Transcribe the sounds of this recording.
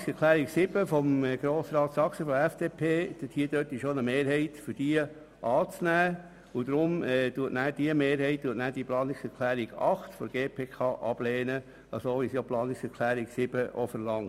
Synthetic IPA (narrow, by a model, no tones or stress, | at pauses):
ksɛɾkʰlæːɾiksɪb̥əfɔmɡ̥ɾoːsɾɑːt̪sɑksəfɔɛfd̥eːpʰeːd̥əthiːd̥øtːɪʃonəmeːɾɦɛɪtfʏɾd̥iə | ʔɑːt͡snæː | ʊd̥̪ɾʊmɛd̥uːətnæːd̥iəmeːɾɦɛɪt̚d̥uːətnæːd̥iplɑːnɪksɛɾkʰlæːɾiɡ̥ɑχtfɔdɡeːpʰeːkʰɑːʔɑb̥leːnə | ɑsoʋisjoplɑːnɪksɛɾkʰlæːɾiɡsɪb̥əʔo̰fəɾlɑŋ